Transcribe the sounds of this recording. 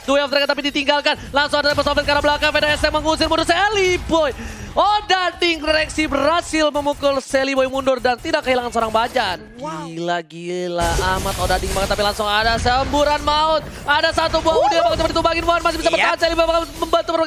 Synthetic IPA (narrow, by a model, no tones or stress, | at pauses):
dujaft̪əɾakat̪ap̬idit̪iŋɡalkanlaŋsʊŋadaspəsobɛt̪̚kaɾablakaŋfedaɛsɛŋməŋus̬ɪrmundʊrselibojodadɪŋrɛksibərasɪlməmukʊlselibojmundʊrdant̪idakːəɦilaŋansəoɾaŋbad͡ʒanɡilaɡilaamat̪odadɪŋbakt̪apilaŋsʊŋadasəmbuɾanmaʊt̪̚ | adasat̪ubuaudibakɔt͡ʃəpadit̪ubaŋɪnmaanmas̬ɪhbis̬apəraansɛlibojbakməmbant̪upərma